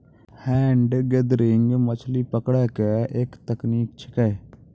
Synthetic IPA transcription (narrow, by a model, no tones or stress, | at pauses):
hɛ̃ːɳɖɡed̪ɾɪŋɡmət͡ʃʰlipəkɽaːkeʔeːkt̪əkniːk̚t͡ʃʰɪ̥kɛ